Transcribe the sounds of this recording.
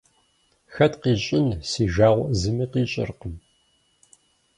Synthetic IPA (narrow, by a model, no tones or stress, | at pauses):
xɐtqiːɕʼɪnsiːʒaːʁʷzɨmiːqiːɕʼɪ̰rqəm